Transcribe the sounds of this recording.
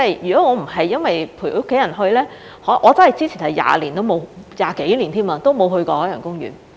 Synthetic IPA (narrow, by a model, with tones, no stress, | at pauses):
ɐ˥˨jjyː˨˩kɔː˨˥ŋɔː˨˧m̩˨˩ɦɐ˨jːɐ˥nwɐ˨jpʰu˨˩˨ʊ˥kʰːe˨˥jɐ˨˩nɦɵ˧ɥlɛː˥ | hɔ˨˥ʔɔː˨˧t͡sɐ˥nhjt͡siː˥t͡sʰiː˨˩hɐ˨jja̰ː˨liː˨˩nt̪o˥wmo˨˧wjaː˨ke˨˥jliː˨˩nt̪ʰiː˥maː˧t̪o˥wmo˨˧wɦɵ˧ɥkɔː˧ɔː˨˥jɐ̰ː˨˩ŋkʊ˥ŋjy̰ː˨˩n